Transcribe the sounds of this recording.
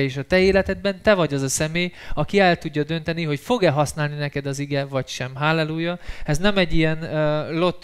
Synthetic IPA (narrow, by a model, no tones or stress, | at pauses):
eːʃɒt̪ɛeːlɛt̪ɛd̪̚bɛnt̪ɛvɒɟɒzɒsɛmeːjɒkiɛlt̪uɟːɒd̪ø̞nt̪ɛniɦo̞cfo̞ɡɛlɦɒsnaːlninɛkɛd̪ɒziɡɛvɒcʃɛmɦaːlːɛluːjɒɛznɛmɛɟːijɛnlo̞t̪ː